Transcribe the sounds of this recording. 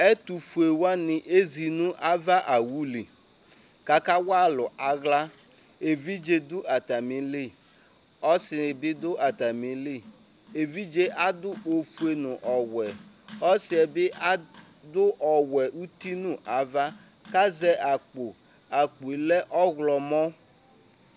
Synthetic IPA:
ɛ˦tu˨fu˨e˨wa˦nɪ˨ʔe˦zi˨nʊ̃˦ʔa˦va˦ʔa˨wu˦li˨ | ka˨ka˦wa˦lʊ˨a˨ɣla˦ | e˨vi˦d͡ʒe˦dʊ˦a˨ta˨mi˨le˦˨ | ɔ˦sɪ˨ɪ˨bɪ˦dʊ˦ʔa˨ta˨mi˨˦le˦ | e˨vi˦d͡ʒe˦ʔa˦dʊ˦o˨fu˦e˦nʊ̃˨ʔɔ˨wɛ˨ | ɔ˦sɪ˨ɛ˨bɪ˦ʔa˦ | dʊ˦ʔɔ˨wɛ˨ʔu˦ti˦nʊ̃˦ʔa˨va˦ | ka˦zɛ˦ʔa˨k͡po˨ | a˨k͡pu˨i˨lɛ˦ʔɔ˦ɣlɔ˨mɔ˦

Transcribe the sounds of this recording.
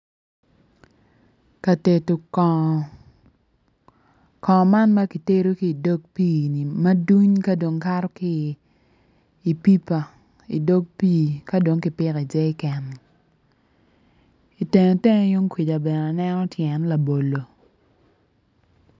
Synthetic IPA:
ka˨te˨to˨k | kɔ˨ma˦nma˦ki˨te˦ɾo˦kiː˨do˦ɡ̚piː˦˨ni˨ma˦du˦ɲka˦do˨ŋka˦ɾɔ˦ki˦˨ | pi˦pa˨ | ḭ˨do˦ɡ̚pi˦˨ka˦do˨ŋkɪ˨pɪ˦ki˨d͡ʒɛ˦ɪ˦kɛ˨n | i˨te˨ŋo˨te˦ŋ˦jo˦ŋkwi˨d͡ʒa˨bɛ˨na˨nɛ˦nɔ˦tʰjɛ˨nla˨bo˨lo˨

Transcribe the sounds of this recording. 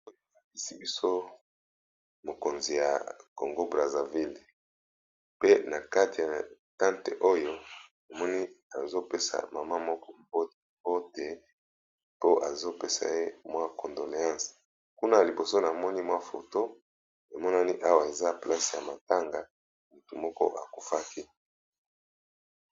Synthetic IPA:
o˦jo˨a˨ki˦si˦bi˦so˦ | mo˨ko˨nzi˨ja̰˨ko̰˨ŋɡo˦bʁa˨za˨vi˦l | pe˦na˨ka˦ti˨ja˨ | tã˦ntḛ˨ʔo˦jo˦ | e˨mɔ˦ni˦a˨zo˦pe˦sa̰˨ma˨ma˦mɔ˦kɔ˦mbo˦tmbo˦te˨ | po˦ʔa˨zo˦pe˦sa̰˨je˦mwa˦kɔ˨ndo˨ne˨ã˦s | ku˦na˦ja˨li˨bo˨so˦na˨mɔ˦ni˦mwa˦fo̰˨to˦ | e˨mɔ˦na˦ni˦ʔa˦wa˨e˨za˦pla˦sja̰˨ma˨ta˦ŋɡa˨ | mu˨tu˨mɔ˦kɔ̰˦ʔa̰˨ku˨fa˦ki˦

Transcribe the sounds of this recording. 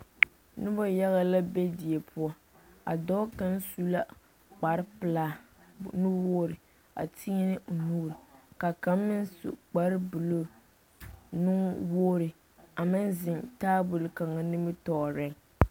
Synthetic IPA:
nʊ˦bɔ˦ja˦ɣa˦la˦bɛ˦di˨e˨pʰʊ˦ɔ˦ | a̰˨dɔ˦ka˦n˦su˦la˦ | k͡pa˨ɾɪ˦pɨ˨laː˦ | nu˦wo˦ɾɪ˨ | a̰˨tʰi˦nɪ˦˨nuː˦ɾka˨ka˨mː˦ɪ˦nsṵ˨k͡pa˨ɾɪ˦bɨ˨lo˦ | nʊ˦ŋwoː˦ɾɪ˨ | a˨mɪ˦nzɪ˨ntaː˦bʊ˨lka˨ŋa˨nɪ˦mɨ˦tɔ˨ɾɛ˦ŋ

